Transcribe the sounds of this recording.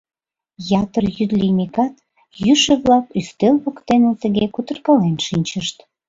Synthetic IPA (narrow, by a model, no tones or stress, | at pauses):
jɑt̪ərjyd̪linʲikɑt̪ | jyʃeβlɑkyst̪elβokt̪enet̪əɣekut̪ərkɑlenʃinʲt͡ɕəʃt̪